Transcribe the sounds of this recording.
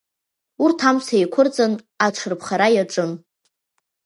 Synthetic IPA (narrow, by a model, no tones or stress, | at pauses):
urtʰamsʰajkʷʰʊrt͡sʼɨn | aʈ͡ʂʷʰɨrpʰχaɾajaʈ͡ʂʼɨn